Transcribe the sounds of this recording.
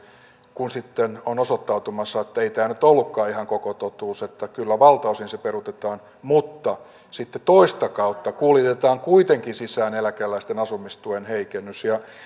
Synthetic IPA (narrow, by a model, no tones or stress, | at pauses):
kunsit̪ːenonosot̪ːɑut̪umɑsːɑet̪ːæeit̪æːnyt̪olːukːɑːihɑŋkokot̪ot̪uːset̪ːækylːæʋɑlt̪ɑusinseperut̪et̪ɑːn | mut̪ːɑ | sit̪ːet̪oist̪ɑkɑut̪ːɑkuːlit̪et̪ɑːŋkuit̪eŋkinsisˑæːnelækælːæist̪enɑsumist̪uenheikenːysjɑ